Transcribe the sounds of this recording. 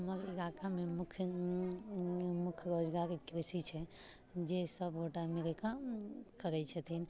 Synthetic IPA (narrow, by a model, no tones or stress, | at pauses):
məɾiɡakamemukʰ | mukʰjɾod͡ʒɡaɾkɾisit͡ʃʰɛ | d͡ʒesəbɡʱoʈameɾəkakəɾɛt͡ʃʰət̪ʰin